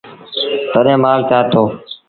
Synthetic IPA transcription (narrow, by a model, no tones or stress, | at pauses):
t̪əɗẽːmaːlt̪aːt̪ʰoː